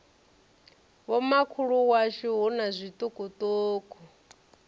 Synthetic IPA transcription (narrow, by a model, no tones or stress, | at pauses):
wɔmakʰuɺuwaʃiɦunazʷit̪ʼukʼut̪ʼoːkʰʼɔ